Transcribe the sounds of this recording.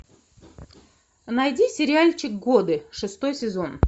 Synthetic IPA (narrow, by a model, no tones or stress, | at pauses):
nɐjdʲisʲɪɾʲɪalʲt͡ɕɪk̚ɡod̪ɨʂɨst̪ojsʲɪzon